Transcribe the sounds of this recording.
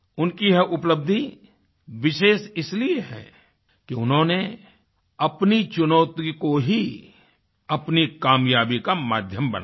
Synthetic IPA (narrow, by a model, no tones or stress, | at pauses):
ʊnkiɦɛʔʊpləb̚d̪ʱi | ʋɪʃeːʃɪslieɦɛ̰ː | kiʊnɦõne | ɐpnit͡ʃʊnɔːt̪ikoɦi | ɐpnikaːmjaːbikamaːd̪ʱjəmbɐ̰na